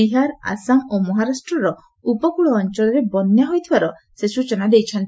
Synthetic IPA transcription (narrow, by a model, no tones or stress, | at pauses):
iɦaɾa̰saŋomɔɦaɾasʈɾɔɾɔ | upɔkuɭɔːnt͡ʃɔɭɔɾebɔnjaɦojt̪ʰibaɾɔ | sesut͡ʃenad̪ejt͡ʃʰɔnt̪i